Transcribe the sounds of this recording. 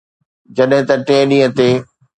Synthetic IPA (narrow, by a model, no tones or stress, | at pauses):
d͡ʑɐɗɦɪ̃t̪ɐʈẽːɗĩːə̃t̪eː